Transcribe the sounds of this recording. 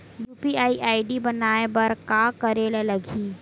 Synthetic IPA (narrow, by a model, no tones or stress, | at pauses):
juːpiaːiʔaːiɖibɐnaːebɐɾkaːkɐɾelelɐɡʱiː